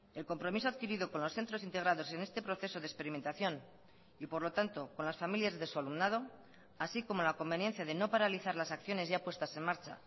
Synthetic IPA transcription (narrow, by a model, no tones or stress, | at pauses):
e̞lko̞mpɾo̞mis̬oaðkiɾiðoko̞nlo̞sθe̞nt̪ɾo̞sint̪e̞ɣ̞ɾað̞o̞se̞ne̞st̪e̞pɾo̞θe̞so̞ðespe̞ɾime̞nt̪aθjo̞n | ipo̞ɾlo̞t̪ant̪o̞ko̞nlasfamiljazðe̞sualumnað̞o̞ | asiko̞mo̞lako̞mbe̞nje̞nθjaðe̞no̞paɾaliθaɾlasakθjo̞ne̞zʝapwe̞st̪ase̞nmaɾt͡ʃa̰